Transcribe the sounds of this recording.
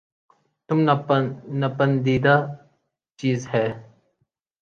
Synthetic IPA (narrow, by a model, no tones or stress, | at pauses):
t̪umnnɐpɐnd̪iːd̪a | t͡ʃiːzhɛː